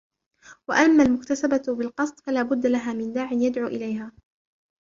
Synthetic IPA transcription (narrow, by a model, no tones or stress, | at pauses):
waʔamːaːlmʊkt̪asababɪlqɑsˤt̪ˤfalaːbʊd̪ːalaɦaːmɪnd̪aːʕɪnjad̪ʕuːʔɪlajɦaː